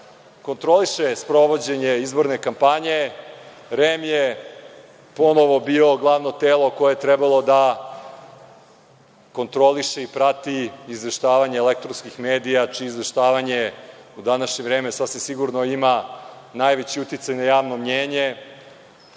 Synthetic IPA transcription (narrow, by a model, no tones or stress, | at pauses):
ko̞nt̪ɾo̞liʃespɾo̞ʋo̞d͡ʑe̞ɲeizbo̞ɾne̞kampaɲe̞ | ɾemje | po̞no̞ʋo̞bio̞ɡlˠaʋno̞t̪eːlˠo̞ko̞jejet̪ɾɛbalˠo̞d̪a | ko̞nt̪ɾo̞liʃeipɾat̪iːzʋeʃt̪aːʋaɲeːlek̚t̪ɾonskixmeːd̪ijat͡ʃiːzʋe̞ʃt̪aːʋaɲeud̪anaʃɲevɾeːmesasʋimsiɡuɾnoima | najʋet͡ɕiut̪it̪sajnajaːʋno̞mɲeːɲe̞